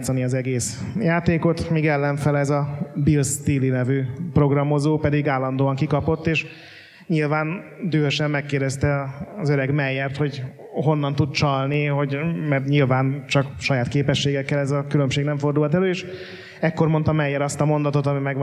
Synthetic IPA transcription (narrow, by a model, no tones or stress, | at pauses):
t̪sɒniɒzɛɡeːsjaːt̪eːko̞t̪miːɡɛlːɛɱfɛlɛzɒbilst̪iːlinɛvyːpro̞ɡrɒmo̞zoːpɛd̪iɡaːlːɒnd̪oːɒŋkikɒpo̞t̪ːeːʃ | ɲilvaːnd̪øːøʃɛmːɛkːeːrd̪ɛst̪ɛːzøɾɛɡmɛjːɛrt̪ho̞ɟ | ɦo̞nːɒnt̪ud̪̚t͡ʃɒlniɦo̞ɟmɛrt̪ɲilvaːnt͡ʃɒkʃɒjaːt̪keːpɛʃːeːɡɛkːɛlɛzɒkylø̞mʃeːɡnɛɱfo̞rd̪ulɒt̪ɛløːeːʃ | ɛkːo̞rmo̞nt̪ɒmɛjːɛɾɒst̪ɒmo̞nd̪ɒt̪o̞t̪ɒmimɛɡ